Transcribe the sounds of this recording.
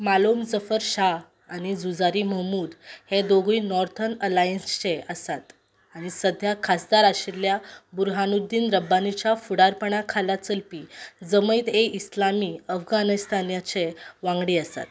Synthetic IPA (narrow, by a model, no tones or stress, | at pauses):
malomd͡zəfəɾɕa | aɽ̃id͡zud͡zaɾiməmuːd̪hed̪oɡinɔɾt̪ʰənəlajənst͡ɕeəsat̪ | aɽ̃isəd̪ʱjakʰasd̪aɾaɕiljabuɾɦanud̪iːnɾəbːanit͡ɕafuɽaɾpəɳ̃akʰalat͡səlpiːd͡zəməit̪eʔislamiəfɡanist̪ʰanjat͡ɕeʋãŋɡɽiəsa̰t̪